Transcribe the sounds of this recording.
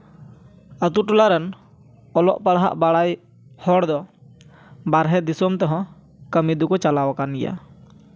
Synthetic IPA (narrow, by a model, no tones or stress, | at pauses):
ət̪uʈulaɾən | ɔlɔʔpaɽɦa̰ʔbaɽaj | hɔɽd̪ɔ | baɾɦɛd̪isɔmt̪ɔɦɔ̃ | kəmid̪ukɔt͡ʃalawakanija̰